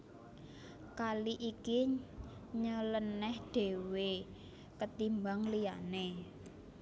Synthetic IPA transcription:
kaliʔiki | ɲələnɛhɖ̪̥e̤we | kət̪imbaŋlijane

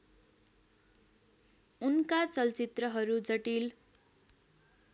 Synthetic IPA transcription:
unkat͡sʌlt͡sit̪rʌɦʌɾud͡zʌʈil

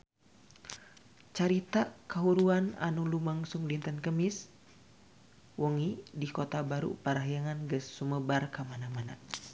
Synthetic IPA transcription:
t͡ʃaɾit̪akaɦuɾuana̰nulumaŋsuŋdint̪ənkəmis | wɔŋidikot̪abaɾṵpaɾaɦjaŋanɡəsːuməbarkamanamana

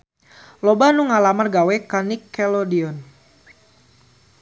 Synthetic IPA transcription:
lɔbanuŋalamarɡawɛkanikːɛlɔdiɔn

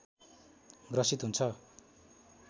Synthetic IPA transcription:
ɡrʌsit̪ɦunt͡sʰʌ

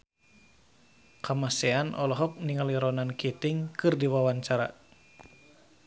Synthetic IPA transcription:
kamasɛanʔɔlɔɦɔk̚niŋaliɾɔnankit̪iŋkɨrdiwawaɲt͡ʃaɾa̰

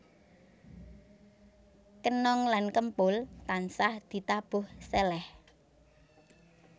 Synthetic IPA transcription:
kənɔŋlankəmpʊlt̪ansahd̪̥i̤t̪ab̥ʊ̤hselɛh

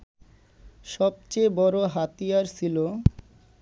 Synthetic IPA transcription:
ʃɔb̚t͡ɕebɔɾoɦat̪ijaɾsʰilo

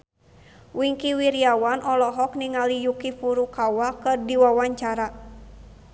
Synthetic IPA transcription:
wiŋkiwiɾiawanʔɔlɔɦɔkniŋalijukifuɾukawakɨrdiwawaɲt͡ʃaɾa

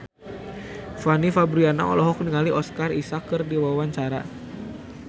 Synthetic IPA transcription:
fanifabɾuana̰ɔ̰lɔɦɔk̚niŋaliʔɔskarisakɨrdiwawaɲt͡ʃaɾa̰

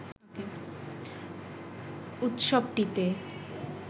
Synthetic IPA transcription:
oke | ut̪ʃobʈit̪e

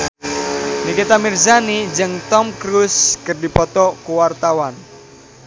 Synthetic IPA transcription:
nikit̪amirzanid͡ʒɨŋt̪ɔmkɾuskərdipɔt̪ɔkuwart̪awan

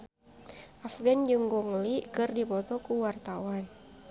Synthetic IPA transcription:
ʔafɡand͡ʒɨŋɡɔŋlikɨrdipɔt̪ɔkuwart̪awan

